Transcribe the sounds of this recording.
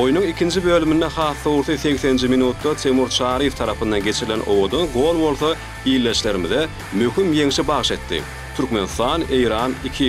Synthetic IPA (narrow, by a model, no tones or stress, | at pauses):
o̞junuŋikʲʰind͡ʒibøːlymind̪eχɑːθːowuɾθɯθe̞kθe̞nnd͡ʒiminuːt̪ːɑt̪ʰemuɾt͡ʃʰɑːɾijeft̪ʰɑɾɑpʰɯnd̪ɑnɡe̞t͡ʃʰiɾilenʔo̞̰wo̞d̪onɡo̞lˠbo̞lˠθo | iːlːe̞ʃle̞ɾimiðe | møxymje̞ŋʃibɑʁʃe̞t̪ːḭ | t̪ʰyɾkme̞nst̪ɑːne̞jɾɑːnikʰi